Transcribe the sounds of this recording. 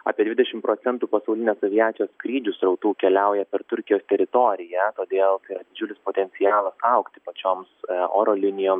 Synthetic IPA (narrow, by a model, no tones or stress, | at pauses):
ɑ̰ːpʲiɛd̪ʋʲɪd̪ʲɛʃʲɪmpɾoːt̪sʲɛnt̪uːpɐsɐʊlʲɪnʲeːssoʋʲɪjæːt̪ʲɪjoːskɾʲiːd͡ʒʲusɾɐʊt̪uːkʲɛlʲɛˑʊjɛpʲɛɾt̪ʊɾʲkʲɪjoːst̪ʲɛɾʲɪt̪oːɾʲɪjɛt̪oːd̪ʲeːlˠt̪ɐɪɾɐd̪ʲɪd͡ʒʲʊlʲɪspoːt̪ʲɛnʲsʲɪjɑːlˠɐsɐʊkt̪ʲɪ̥pɐt͡ʃʲoːmso̰ːɾoːlʲɪnʲɪjoːms